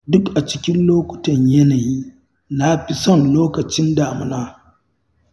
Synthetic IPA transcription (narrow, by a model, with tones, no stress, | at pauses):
dʊ˦kʔa˨t͡ʃɪ˦kʲɪ˦nloː˦kʷʊ̥˨tɐ˨ɲjɐ˦naː˨jiː˦ | na˦ɸi˦sɔ˦˨nloː˦kɐ˨t͡ʃɪ˦ndaː˨mɪ˦naː˦